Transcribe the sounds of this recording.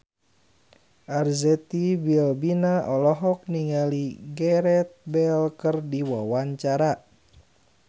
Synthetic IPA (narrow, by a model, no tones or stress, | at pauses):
ʔarzɛt̪ibilbinaʔɔlɔɦɔk̚niŋaliɡɛɾɛt̪̚bɛlkərdiwawaɲt͡ʃaɾa